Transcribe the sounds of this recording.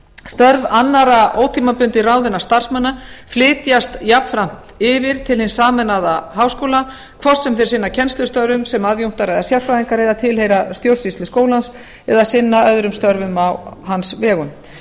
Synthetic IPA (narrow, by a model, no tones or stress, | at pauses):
st̪œɾvanːaɾaoːwt̪ʰiːmapʏnt̪ɪraːwðɪnḁst̪ar̥smanːaflɪːt̪jast̪japfɾam̥t̪ɪvɪɾ̥t̪ʰɪlhɪnsaːmɛnaðaɦaːwskoːwla | kʰvɔr̥st̪sɛmθɪɾ̥sɪnːacʰɛnst̪ʏst̪œɾvʏmsɛmaðjum̥t̪aɾɛðasjawlfɾaθiŋkaɾɪðaðt̪ʰɪlhejɾast̪jowsist̪lɪskoːwlans | ɛ̰ðasɪnːaœðɾʏmst̪œɾvʏmawhansvɛːɣʏm